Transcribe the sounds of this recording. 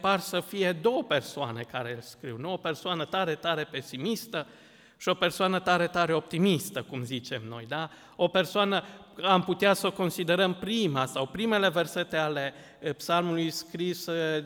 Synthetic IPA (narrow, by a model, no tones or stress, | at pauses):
parsəfije̞d̪o̞wəpe̞rsoa̰ne̞kaɾelskɾiwnuo̞pe̞rsoanət̪aɾe̞t̪aɾe̞pe̞simist̪ə | ʃio̞pe̞rsoanət̪aɾe̞t̪aɾe̞o̞p̚t̪imist̪əkumzit͡ʃe̞mno̞̰jd̪a | o̞pe̞rsoanə | amput̪easoko̞nsid̪e̞ɾəmpɾimasawpɾime̞le̞ve̞rse̞t̪e̞ale̞ | psalmulujskɾis